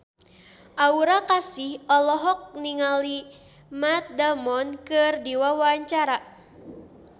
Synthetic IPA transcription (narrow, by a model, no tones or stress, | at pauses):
ʔauɾakasihɔlɔɦɔk̚niŋali | mat̪̚damɔnkɨrdiwawaɲt͡ʃaɾa